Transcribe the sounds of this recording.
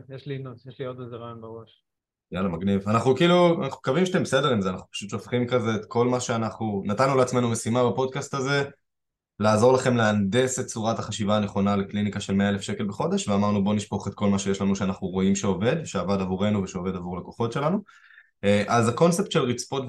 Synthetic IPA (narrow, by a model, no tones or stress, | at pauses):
jeʃlinusjeʃliod̪̚ezeʁajonbeʁo̞ʃ | jalamaɡnivanaχnukiːlua̰naχume̥kavimʃat̪embese̞de̞ʁimzeanaχnu̥pḁʃut̪ʃofχimkazeːt̪ko̞lmaʃeanaχnunat̪anːuleat͡sme̞nume̞simabapo̞d̪̚kast̪aze̞ | laːzo̞ʁ̞laχe̞mleande̞set̪̚t͡suʁataχaʃivaːneχo̞naleklinikaʃe̞lme̞alefʃe̞ke̞lbeχo̞d̪e̞ʃveamaʁnubo̞niʃpo̞χet̪̚ko̞lmaʃe̞jeʃlanuʃeanaχnuʁo̞imʃeo̞ve̞d̪ʃeavadavuʁe̞nuveʃove̞d̪avuʁleko̞χo̞tʃe̞lanu | eʔazako̞nse̞pt̪ʃelʁit͡spot